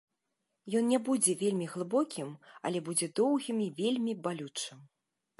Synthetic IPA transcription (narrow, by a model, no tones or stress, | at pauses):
jɔnnʲɛbud͡zʲɛvʲelʲmʲiɣlˠɨbɔkʲimɐ̰lʲɛbud͡zʲɛd̪ɔwɣʲimivʲelʲmʲibalʲut͡ʂɨm